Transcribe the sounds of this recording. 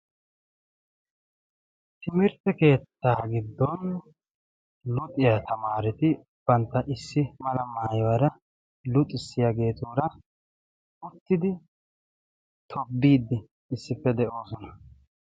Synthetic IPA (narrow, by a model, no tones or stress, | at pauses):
t̪ɪmɪɾt̪ɛke̞ːt̪ːaːɡɪd̪ːɔn | lʊt̪ʼɪjat̪ʰɐmaːɾɪt̪ɪ | b̥ɐnt̪ːɐʔɪsːɪmɐlɐmaːjwɐɾɐ | lʊt̪ʼːɪsːɪjaːɡe̞ːt̪uːɾɐ | ʊt̪ːɪd̪ɪ | t̪ʰɔbːiːd̪ːɪː | sːɪpːɛd̪ɛʔo̞ːsɔnɐ